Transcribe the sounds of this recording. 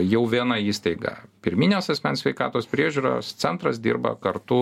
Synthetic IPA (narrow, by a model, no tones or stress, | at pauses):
jɛʊʋʲiɛnɑiːst̪ɐɪɡɐ̰pʲɪɾʲmʲiːnʲoːsɐsʲmʲɛnsʲʋʲɛɪkɑ̰ːt̪oːspʲɾʲiɛʒʲuːɾo̰ːst̪sʲɛnt̪ɾɐs̬d̪ʲḭːɾbɐ̰kɐɾt̪ʊ